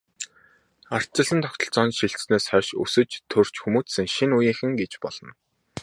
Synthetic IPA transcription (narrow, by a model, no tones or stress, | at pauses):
ar̥t͡ɕɪ̆ɮə̆nt̪ʰɔkt̪ɞ̆ɬt͡sɔːnʃiɬt̪sneːsχœːʃɵ̰sɵ̆t͡ɕt̪ʰɵr̥t͡ɕxumuːtsɘ̆ŋʃinujĭŋxɘ̆ŋɡet͡ɕpɔɮ̥ɞ̆n